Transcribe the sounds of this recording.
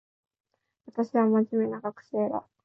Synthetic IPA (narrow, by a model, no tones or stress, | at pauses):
βat̪aɕiβamaʑime̞naɡakɯ̟̥ɕeɾa̰